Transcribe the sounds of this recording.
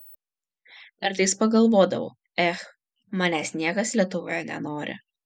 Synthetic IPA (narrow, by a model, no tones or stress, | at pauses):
ɐɾt̪ɐɪspɐɡɐlˠʋoːd̪ɐ̰ʋo̰ː | ɛx | mɑːnʲæːsʲnʲiɛɡɐslʲiɛt̪ʊʋoːjɛnʲɛ̰noːɾʲɪ̰